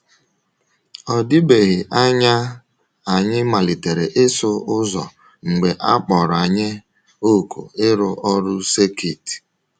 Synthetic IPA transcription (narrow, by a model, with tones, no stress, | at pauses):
ɔ˨dɪ˦be˨ɣɪ˨ʔa˦ɲa˦ | a˨ɲɪ˦ma˨li˨te˨ɾe˨ʔɪ˦sʊ˦ʊ˦zɔ˨ | ŋ͡m̩˨ɡ͡be˨ʔa˦k͡pɔ˨ɾa˨ɲɪ˦ | o˦˨ko̰˨ɪ˦ɾʊ˦ʔɔ˦ɾʊ˦se˦ki˦˨t